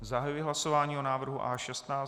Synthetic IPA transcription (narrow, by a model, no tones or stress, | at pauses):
zaɦajujɪɦlasovaːɲiːonaːvr̩ɦuʔaːʃɛst̪naː